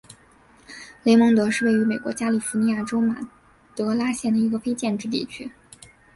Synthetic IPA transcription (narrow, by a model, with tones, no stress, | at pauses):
le˧˥ɪmɤ˧˥ŋt̪ɤ˧˥ʂɻ̩˥˧we˥˩ɪy˧˥me˨˩ɪkwɔ˧˥t͡ɕja˥li˨˩fu˧˥ni˧˥ja˥˩ʈ͡ʂo˥ʊma̰˨˩ | t̪ɤ˧˥la˥ɕjɛ˥˩nd̪ə˩i˧˥ɡə˧fe˥ɪt͡ɕjɛ˥˧nʈ͡ʂɻ̩˥˧t̪ḭ˥˩t͡ɕʰy˥